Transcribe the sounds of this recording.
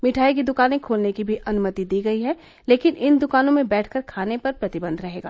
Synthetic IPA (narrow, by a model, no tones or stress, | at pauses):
mɪʈʰaːik̬id̪ʊkaːnẽkʰoːlnekibʱiʔɐnʊmət̪id̪iːɡɐiɦɛ | leːkɪnɪnd̪ʊkaːnõmẽbɛːʈʰkəɾkʰaːnepɐɾpɾɐt̪ɪbə̃nd̪ʱɾɐɦeːɡa̰ː